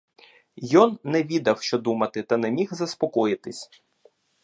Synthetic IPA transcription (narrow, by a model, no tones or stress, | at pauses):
jɔnːɛʋʲid̪ɐwʃt͡ʃɔd̪umɐt̪ɪt̪ɐnɛmʲixzɐspɔkɔjɪt̪ɪsʲ